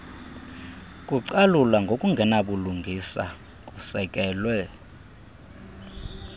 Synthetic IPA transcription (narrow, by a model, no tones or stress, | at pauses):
kʼuǀalulaŋɡʱokʼuŋɡʱɛnaɓuluŋɡʱisa̰ | k̬ʼusɛkʼɛːlwɛ